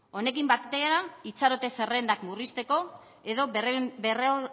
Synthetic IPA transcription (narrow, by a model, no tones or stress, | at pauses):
o̞ne̞kimbakt̪eaɾait͡saɾo̞t̪e̞se̞re̞nd̪akmurist̪e̞ko̞ | e̞ðo̞bere